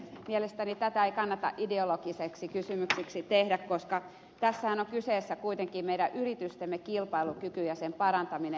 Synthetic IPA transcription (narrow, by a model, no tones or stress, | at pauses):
mielest̪ænit̪æt̪æeikɑnːɑt̪ɑ̰ʔideolokiseksikysymyksiksit̪ehdækkoskɑ | t̪æsːæhænoŋkyseːsːækuit̪eŋkiːmmeiɾæʔyrit̪yst̪emːekilpɑilukykyjɑsempɑrɑnt̪ɑmine